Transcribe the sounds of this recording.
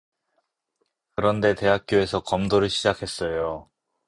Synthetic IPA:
kɯɾʌnde̞te̞ɦak̚k͈joe̞sʰʌkʌmdoɾɯɭɕʰid͡ʑakʰe̞s͈ʌjo

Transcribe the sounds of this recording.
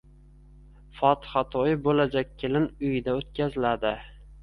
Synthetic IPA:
fɒt̪ɪ̥hat̪ʰɒjɪbolad͡ʒak̚ʲkʲʰːelɪnʊjɪd̪aot̪̚kʲazɪlad̪ɪ

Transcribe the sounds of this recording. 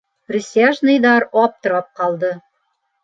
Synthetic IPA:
rʲisʲaʒnɤ̆jd̪ɑɾɒp̚t̪ŏɾɑp̚qɑlˠd̪ɤ

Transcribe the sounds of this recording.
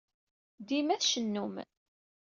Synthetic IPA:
d̪imæθʃənːum

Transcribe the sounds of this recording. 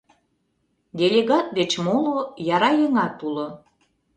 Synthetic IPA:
d̪ʲelʲeɣɑt̪̚d̪et͡ɕmolojɑɾɑjəŋɑt̪ulo

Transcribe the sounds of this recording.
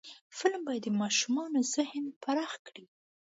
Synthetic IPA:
fɪlmbɑjad̪ːəmɑʃumɑnozɪhnpaɾɑxkɽi

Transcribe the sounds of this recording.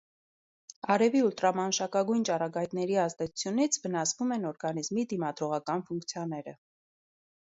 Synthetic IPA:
ɑɾɛviult̪ɾɑmɑnʃɑkɑɡujnt͡ʃɑrɑɡɑjt̪nɛɾiɑzd̪ɛt͡sʰu̥t͡sʰjunit͡sʰvənɑsvumɛnɔɾɡɑnizmid̪imɑd̪ɾɔʁɑkɑnfuŋkt͡sʰjɑnɛɾə

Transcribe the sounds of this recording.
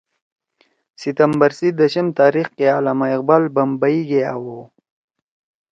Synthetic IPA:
sit̪ɐmbɐɾsid̪ɐɕimt̪aːɾixkeaːlamaiq̚baːlbɐmbaiɡeawo

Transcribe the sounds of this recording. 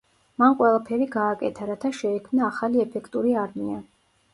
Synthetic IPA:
manqʼwɛlˠapʰɛɾiɡaːkʼɛt̪ʰaɾat̪ʰaʃɛikʰmnaːχaliɛpʰɛkʰt̪ʼuɾiaɾmia

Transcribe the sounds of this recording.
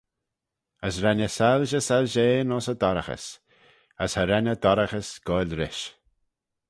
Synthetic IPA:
əsɾɛnəsalʒəsalʒeːnɔːsəd̪ɔɾəxə̰s | əshəɾɛnəd̪ɔɾəxəsɡ̥ɔlʲɾɪʃ

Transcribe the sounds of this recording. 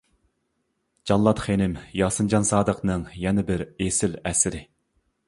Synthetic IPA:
d͡ʒɑnlˠːɑt̪χenɪmjɑːsɨnd͡ʒɑnsɑːd̪əqnɨŋjɛnɪbɪɾesɪlɛsɪɾɪ

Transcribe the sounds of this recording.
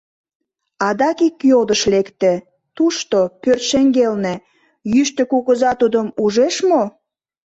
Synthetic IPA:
ɑd̪ɑkikːjod̪əʃlekt̪ĕ | t̪uʃt̪opørt̪ʃeŋɡelne | jyʃt̪ə̆kuɣəzɑt̪ud̪əmuʒeʃmo

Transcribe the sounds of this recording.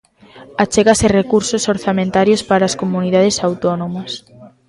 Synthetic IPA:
at͡ʃeɣaserekuɾsosoɾθamẽnt̪aɾjospaɾaːskomuniðaðesawt̪onõmɐs

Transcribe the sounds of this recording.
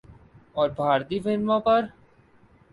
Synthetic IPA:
ɔːɾbʱaːɾt̪ifɪlmõpɐɾ

